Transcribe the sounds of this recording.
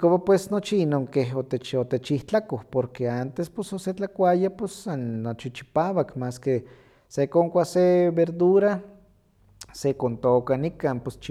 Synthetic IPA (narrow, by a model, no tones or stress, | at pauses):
kopapwesnot͡ʃiinoŋkeɦot̪et͡ʃot̪et͡ʃiht͡ɬakohpoɾkeant̪espososet͡ɬakʷajapesːanːot͡ʃit͡ʃi̥pawakmaske | sekoŋkʷaseβeɾd̪uɾa | sekont̪okanikaːnpost͡ʃ